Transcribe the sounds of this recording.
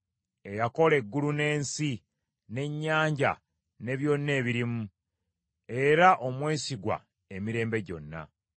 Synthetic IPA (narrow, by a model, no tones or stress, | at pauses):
e̞jako̞le̞ɡːulune̞ːnsi | ne̞ɲːaːɲɟa̰ | ne̞βjo̞nːe̞ːβiɾimu | e̞ɾaʔomwe̞ːsiɡwa̰ | e̞miɾe̞ːmbe̞ɟo̞̰nːa̰